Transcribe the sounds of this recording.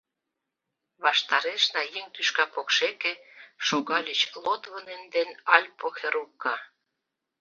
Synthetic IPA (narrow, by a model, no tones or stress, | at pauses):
βɑʃt̪ɑɾeʃnɑjeŋt̪yʃkɑpokʃekeʃoɣɑlʲət͡ɕlot̪βənend̪enɑlʲpoxeɾukːɑ